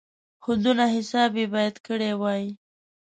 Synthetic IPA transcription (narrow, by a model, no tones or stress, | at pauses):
xʊnd̪unaɦɪsɑbebɑjad̪kəɽewɑji